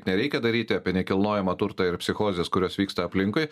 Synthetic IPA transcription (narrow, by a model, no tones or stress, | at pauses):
t̪nʲɛɾʲɛɪkʲɛd̪ɐɾʲiːt̪ʲɪɐːpʲiɛnʲɛkʲɪlˠnoːjɛmɐt̪ʊɾt̪ɐɪɾpʲsʲɪxoːzʲeːskʊɾʲoːsʋʲiːkst̪ɐɐpʲlʲɪŋkʊɪ